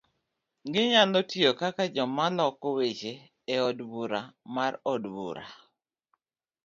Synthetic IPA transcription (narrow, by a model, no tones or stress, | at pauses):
ŋɡɪɲalɔtiokakad͡ʒɔmalɔkɔwet͡ʃeː | ɔdbuɾamarɔdbṵɾa̰